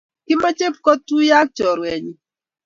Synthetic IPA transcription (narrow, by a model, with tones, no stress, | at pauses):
kɪ˦ma˦t͡ʃe˦p̚kɔ˦tu˦ja˦k̚t͡ʃɔ˨ɾwɛ˨ɲi˨